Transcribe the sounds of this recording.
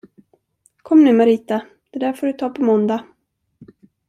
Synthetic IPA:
kʰɔmːnʉ̟ːmaɾiːt̪a | d̪̥ɛd̪æːfoːɖɵt̪ʰɑːpʰɔmɔnd̪a

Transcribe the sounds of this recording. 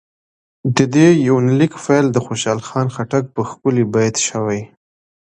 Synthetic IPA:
d̪əd̪ejawnalikfejld̪əxoʃɑlxɑnxaʈak̚pəxkʊlibɑjt̪ʃəwaj

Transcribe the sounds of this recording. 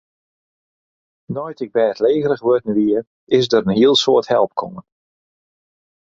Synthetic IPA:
nɔjtɪɡ̚bɛːətleːɣəɾəɣʋøtn̩ʋiər | ɪs̬dəɾənhiəlˠsoːəthɛ̰lˠp̚kʰɔ̰ŋən

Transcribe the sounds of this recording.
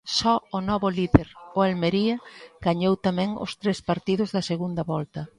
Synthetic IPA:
sɔʊnɔβʊliðeɾʊalmeɾiɐɡ̥aɲowt̪amɛ̃ŋʊ̰st̪ɾespaɾt̪iðʊzðɐseɣund̪ɐβɔlt̪ɐ

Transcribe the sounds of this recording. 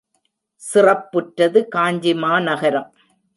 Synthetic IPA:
sɪrɐpːɯʈɾɐðɯkaːɲd͡ʒɪmaːnɐɣɐɾɐm

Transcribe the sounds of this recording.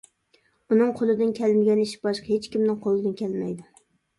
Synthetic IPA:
unɨŋqʰolˠɨd̪ɪnkʲʰælɪnɡʲɛniʃbɑʃqɑhet͡ʃkʲimnɪŋqʰolˠɨd̪ɪnkʲʰælmɛ̰jd̪ʊ

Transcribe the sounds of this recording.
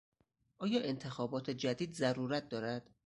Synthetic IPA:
ʔɒːjɒːʔe̞nt̪ʰe̞xɒːbɒːt̪ʰe̞d͡ʒæd̪iːd̪zæɾuːɾæt̪̚d̪ɒːɾæd̪̥

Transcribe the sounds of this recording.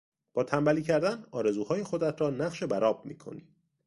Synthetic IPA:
b̥ɒːt̪ʰæmbæliːcʰæɾd̪ænɒːɾe̞zuːhɒːje̞xo̞d̪æt̪ʰɾɒːnæɢʃe̞bæɾɒːb̚miːkʰo̞̰ni̥ː

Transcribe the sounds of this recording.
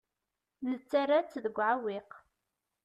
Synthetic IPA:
nət͡sːarat͡sːðəɡʷːʕawiq

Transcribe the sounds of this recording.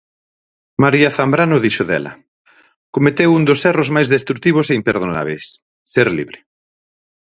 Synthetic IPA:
maɾiaθambɾanʊðiʃoðɛ̰lɐ̰ | komet̪ewund̪osɛrozmajzðest̪ɾuk̚t̪iβ̞oseimpeɾð̞ona̰β̞ḛjsː | eɾlḭβɾe

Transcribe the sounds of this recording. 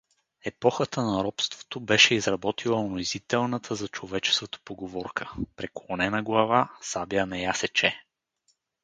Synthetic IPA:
ɛpɔxət̪ənɐɾɔpst̪vo̥t̪obɛʃɛizɾɐbɔt̪ilˠɐonoizit̪ɛlˠnət̪ʰəzɐt͡ʃovɛt͡ʃɛ̥skət̪o̥poɡovɔɾkʰəpɾɛklˠonɛnɐɡlˠɐvasabiənɐjasɛt͡ʃɛ

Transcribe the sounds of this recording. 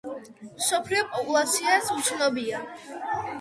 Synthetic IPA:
msɔpʰɾiɔpʼɔpʼulˠat̪sʰiasut̪sʰnɔbia

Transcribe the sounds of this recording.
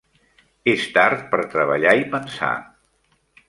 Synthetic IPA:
est̪aɾt̪̚pəɾt̪ɾəβəʎaipənsa̰

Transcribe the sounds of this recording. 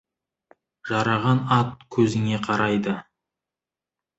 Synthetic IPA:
ʒ̥ɑɾɑʁɑnɑt̪̚kʲʰɵzɪŋe̞qʰɑɾɑjd̪ə

